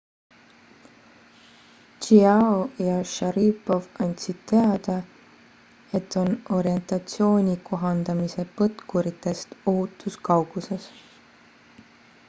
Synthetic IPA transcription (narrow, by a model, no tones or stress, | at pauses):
t͡ʃiɑojɑʃɑɾiːpo̞vɑnʲt̪sid̪̥̚t̪e̞ɑd̪̥ɑ | e̞t̪ːˑo̞no̞ɾie̞nt̪ɑt̪sio̞ːnʲiko̞ɦɑnd̪̥ɑmise̞pɤt̪kuɾit̪ːˑe̞st̪oɦut̪ːˑuskɑwɡ̥use̞s